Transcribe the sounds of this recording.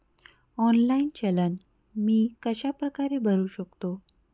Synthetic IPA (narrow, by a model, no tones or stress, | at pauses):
ɔnlaint͡ɕələn | miːkəɕapɾəkaɾebʱəɾuːɕəkt̪o